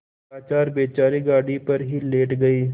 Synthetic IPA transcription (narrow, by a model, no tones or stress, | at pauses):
aːt͡ʃaːɾbeːt͡ʃaːɾiɡaːɽipɐɾɦileːʈɡɐiː